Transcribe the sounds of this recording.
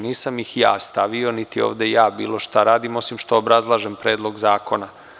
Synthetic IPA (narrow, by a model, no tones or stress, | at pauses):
niːsamjixja̰ːst̪aʋio̞nit̪io̰ːʋd̪e̞jaːbḭːlo̞ʃt̪aɾaːd̪imo̞simʃt̪o̞ːbɾazlˠaːʒempɾe̞ːd̪lˠo̞ɡzaːko̞na